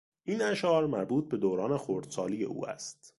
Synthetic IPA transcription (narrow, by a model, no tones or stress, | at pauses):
ʔiːnæʃɒːɾmæɾbuːt̪̚ʰbe̞d̪oːɾɒːnexoɾd̪̥sɒːlije̞̰ʔṵːæ̰st̪